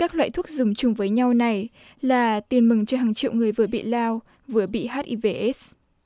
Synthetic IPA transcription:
kaː˦˥k̚lwa̰ː˧˨jt̪ʰu˦˥k̚zʊ˨˧˩ŋ͡mt͡ɕʊ˨˦ŋ͡mvəː˨˦jɲa˧wna˨˩j | laː˨˩t̪i˨˩ənmɨ˨˩ŋt͡ɕɦaː˨˩ŋt͡ɕḭ˧˨wŋɨ˨˩əjvɨ˨˩əɓḭ˧˨laː˧w | vɨ˨˩əɓḭ˧˨ɦaː˦˥t̚ʔi˧ve˧ʔe˦˥s

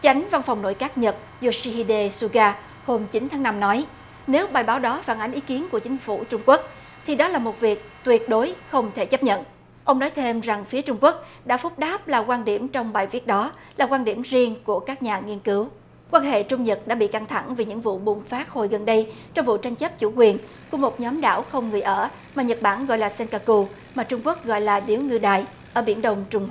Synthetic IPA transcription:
t͡ɕa˨˦jŋ̟va˧nfa˨˩wŋ͡mno̰˧˨jkaː˦˥k̚ɲə˨˩t̚ | zu˧si˧hi˧ɗe˧su˧ɣaː˧ | ho˧mt͡ɕi˨˦nt̪ʰaː˨˦ŋna˧mnɔ˨˦j | ne˨˦wɓaː˨˩jɓaː˨˦wɗɔ˨˦faː˧˩nʔa˨˦jŋ̟ʔi˨˦ki˨˦ənku˧˩ət͡ɕï˨˦ŋ̟fu˧˩t͡ɕʊ˧ŋ͡mku˦˥ək̚ | t̪ʰi˨˩ɗɔ˨˦laː˨˩mo˨˩t̚vi˨˩ək̚t̪wi˨˩ət̚ɗo˨˦jxə˧wŋ͡mt̪ʰe˧˩t͡ɕə˦˥p̚ɲə̰˧˨n | ʔə˧wŋ͡mnɔ˨˦jt̪ʰe˧mza˨˩ŋfi˨˦ət͡ɕʊ˧ŋ͡mku˦˥ək̚ɗa̰ː˧˥fʊ˦˥k͡p̚ɗaː˦˥p̚laː˨˩kwaː˧nɗi˧˩əmt͡ɕɔ˧wŋ͡mɓaː˨˩jvi˦˥ət̚ɗɔ˨˦ | laː˨˩kwaː˧nɗi˧˩əmzi˧əŋku˧˩əkaː˦˥k̚ɲaː˨˩ŋi˧ənkɨ˨˦w | kwaː˧nɦḛ˧˨t͡ɕʊ˧ŋ͡mɲə˨˩t̚ɗa̰ː˧˥ɓḭ˧˨ka˧ŋt̪ʰa˧˩ŋvi˨˩ɲɨ̰˧˥ŋvṵ˧˨ɓʊ˨˩ŋ͡mfaː˦˥t̚ho˨˩jɣə˨˩nɗə˧j | t͡ɕɔ˧wŋ͡mvṵ˧˨t͡ɕa˧jŋ̟t͡ɕə˦˥p̚t͡ɕu˧˩kwi˨˩ən | ku˧˩əmo˨˩t̚ɲɔ˨˦mɗa̰ː˧˩wxə˧wŋ͡mŋɨ˨˩əjʔəː˧˩ | maː˨˩ɲə˨˩t̚ɓaː˧˩nɣɔ̰˧˨jlaː˨˩sɛ˧nkaː˧ku˧ | maː˨˩t͡ɕʊ˧ŋ͡mku˦˥ək̚ɣɔ̰˧˨jlaː˨˩ɗi˨˦wŋɨ˧ɗaː˨˩j | ʔəː˧˩ɓi˧˩ənɗə˨˧˩wŋ͡mt͡ɕʊ˧ŋ͡mh

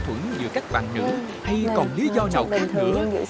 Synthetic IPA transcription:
t̪ʰwə˧˩əŋzɨ̰˨˩ka˦˥k̚ɓa̰ː˧˨nnɨ̰˧˥ | ha˧jkɔ˨˩nli˨˦zɔ˧ɲa˨˩wk̪i˧ɨ̰˧˩˦ə̰˧˥

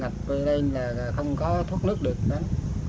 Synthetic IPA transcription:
ŋa˨˩p̚və˧ɗə˧laː˨˩˨xə˧wŋ͡mkɔ˨˦t̪ʰu˦˥ət̚nɨ˦˥k̚ɗɨ˨˩ək̚na˨˦n

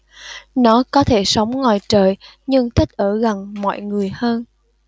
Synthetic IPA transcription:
nɔ˨˦kɔ˨˦t̪ʰe˧˩sə˨˦wŋ͡mŋwaː˨˩jt͡ɕəː˨˩j | ɲɨ˧ŋt̪ʰi˦˥k̚ʔəː˧˩ɣa˨˩ŋmɔ̰˧˨jŋɨ˨˩əjhəː˧n

